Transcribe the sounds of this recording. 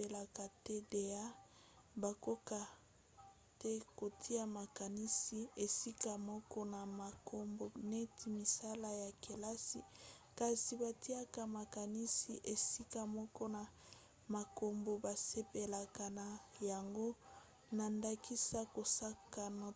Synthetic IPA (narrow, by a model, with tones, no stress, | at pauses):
e˨la˨ka˨te˦de˨a˦ | ba˨ko˦ka˨ | tɛ˦ko˨tʰi˦a˦ma˨ka˨ni˦si˨e˨si˦ka˨mɔ˦kɔ˦na˨ma˨ko˦mbo˨ne˦tʰi˨mi˨sa˦la˦ja˨ke˨la˦sḭ˨ka˨si˨ba˨ti˦a˦ka˨ma˨ka˨ni˦si˨ʔe˨si˦ka˨mɔ˦kɔ˦na˨ | ma˨ko˨mbo˨ba˨se˦pe˨la˨ka˨na˨ja˨ŋɡo˦ | na˨nda˦kʰi˦sa˦ko˨sa˦ka˨nɔ˨